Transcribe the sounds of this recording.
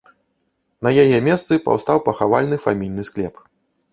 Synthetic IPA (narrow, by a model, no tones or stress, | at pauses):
nɐjajɛmʲɛst̪sɨpa̰wst̪awpɐxavalʲnɨfamʲijnɨsklʲɛp